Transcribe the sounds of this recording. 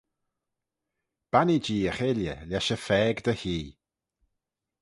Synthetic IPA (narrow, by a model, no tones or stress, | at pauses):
b̥anid͡ʒiːəχeljəlɛʃəfɛːɡd̪əhiː